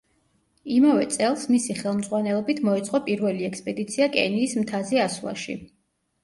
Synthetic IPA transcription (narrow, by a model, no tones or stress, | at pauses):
imavɛt̪sʼɛlˠsmisiχɛlˠmd̪zʁwanɛlˠɔbit̪ʰmɔɛt̪sʼqʼɔpʼiɾvɛliɛkspʼɛd̪it̪sʰiakʼɛ̰niːsmt̪ʰazɛaslˠa̰ʃḭ